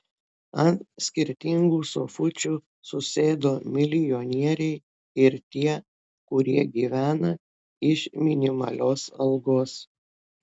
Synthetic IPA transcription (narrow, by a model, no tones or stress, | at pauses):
ɐnsʲkʲɪɾʲt̪ʲɪŋɡuːso̰fʊt͡ʃʲuː | sʊsʲeːd̪oːmʲɪlʲɪjɔnʲiɛɾʲɛɪ | ɪɾt̪ʲiɛ | kʊɾʲiɛɡʲiːʋʲæːnɐ | ɪʃmʲɪnʲɪmɐ̰lʲoːsɐlˠɡoːs